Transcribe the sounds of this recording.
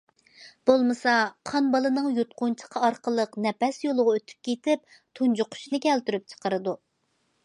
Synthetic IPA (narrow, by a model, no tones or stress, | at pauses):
b̥olˠmɨsɑqʰɑnbɑlˠɨnɨŋjot̪̚qʊnt͡ʃʰə̥qʰɑɑɾqəlˠəqnɛpɛsjolˠʊʁɑøt̪ʰy̥p̚kʲʰet̪ɪp̚ | t̪ʰund͡ʒʊqʰʊ̥ʃnɨkʲɛlt̪yɾyp̚t͡ʃʰə̥qəɾɨd̪u